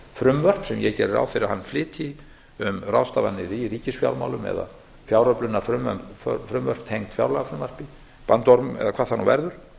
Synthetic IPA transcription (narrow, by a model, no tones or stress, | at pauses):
fɾʏmvœr̥psɛmjɛcɛːɾɪɾa̰ːwfɪɾahanːflɪːt̪ʰɪ | ʏmrawst̪avanːɪɾiɾiːcɪsfja̰wlma̰wlʏmɛ̰ða̰ | fjawɾœplʏnːafɾʏmvœ̰mfɾʏmvœr̥pt̪ʰejŋt̪fja̰wɾlɛɣafɾʏmvar̥pɪ | pant̪ɔɾmɛ̰ðakʰvaːθanːuvɛ̰ɾðʏɾ̥